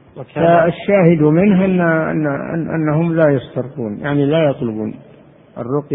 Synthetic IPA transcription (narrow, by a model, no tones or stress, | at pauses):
faaʃːaːhɪd̪mɪnɦanːʔa̰nːa̰nʔa̰nːaɦʊmlajɑst̪ɑɾquːnjaʕnilajɑt̪ˤlʊbṵːn | ʔɑ̰rˤːʊq